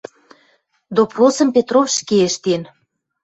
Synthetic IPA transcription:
d̪oposə̆mpet̪rofʃkeeʃt̪en

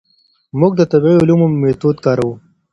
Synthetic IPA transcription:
mʊɡ̚d̪ət̪ɐbʕiʊlumoːet̪ud̪̚kɑːɾɐwu

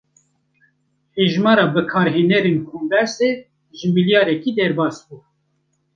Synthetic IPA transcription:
heʒmɑːɾɑːbɨkʰɑːɾɦeːnɛɾenkʰonb̪ɛɾse | ʒɨmiljɑːɾɛkid̪ɛɾbɑːsbuː

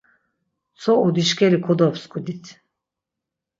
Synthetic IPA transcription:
sʰɔʔud̪iʃkʲɛɾikʰɔd̪ɔpskʰud̪it̪ʰ

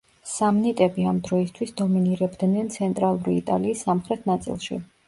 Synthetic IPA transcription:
samnit̪ʼɛbiamd̪ɾɔist̪ʰwisd̪ɔminiɾɛbd̪nɛnt̪sʰɛnt̪ʼɾalˠuɾiːt̪ʼa̰liːsːamχɾɛt̪ʰnat̪sʼḭlˠʃḭ

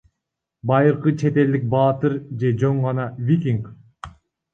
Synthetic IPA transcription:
bɑjɯɾqɯt͡ʃʰe̞t̪e̞ld̪ik̚bɑːt̪ɯɾd͡ʒe̞d͡ʒoɴʁɑnɑvʲikʲiŋk

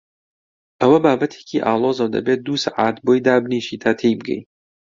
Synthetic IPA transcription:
ʔɐwɐbaːbɐt̪ʰe̥ːcʰiːʔaːlˠoːzɐwd̪ɐ̰bet̪̚d̪uːsaʕaːt̪boːjd̪aːbniːʃiːt̪ʰaːt̪ʰeːjbɨɡɛ̰j

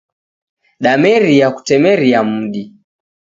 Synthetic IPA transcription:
ɗamɛɾiaku̥tɛmɛɾiam̩ɗi

